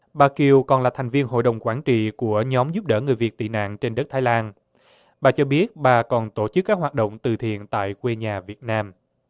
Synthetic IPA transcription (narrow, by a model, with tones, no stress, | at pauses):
ɓaː˨˩ki˨˩əwkɔ˨˩nlaː˨˩t̪ʰjŋ̟vi˧ənɦo̰˧˨jɗə˨˩wŋ͡mkwaː˧˩nt͡ɕḭ˧˨ku˧˩əɲɔ˨˦mzu˦˥p̚ɗəː˧˩ŋɨ˨˩əjvi˨˩ət̚t̪ḭ˧˨na̰ː˧˨ŋt͡ɕe˧nɗə˦˥t̪ʰaː˨˦jlaː˧n | ɓaː˨˩t͡ɕɔ˧ɓi˦˥ət̚ɓaː˨˩kɔ˨˩nt̪o˧˩t͡ɕɨ˦˥kːaː˦˥k̚hwaː˨˩t̚ɗo̰˧˨wŋ͡mt̪ɨ˨˩t̪ʰḭ˧˨ənt̪a̰ː˧˨jkwe˧ɲaː˨˩vi˨˩ət̚naː˧m